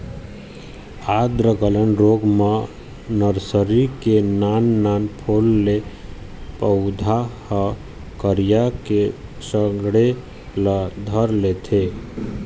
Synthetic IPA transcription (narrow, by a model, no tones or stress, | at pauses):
ad̪ɾəkələnɾoɡme | nəɾsəɾikenanːanpʰolːe | pəʊd̪ʱahə | kəɾijakesəɡɽe | ləd̪ʱəɾlet̪ʰe